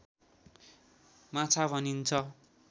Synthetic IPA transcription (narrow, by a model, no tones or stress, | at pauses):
mãt͡sʰabʱʌnint͡sʰʌ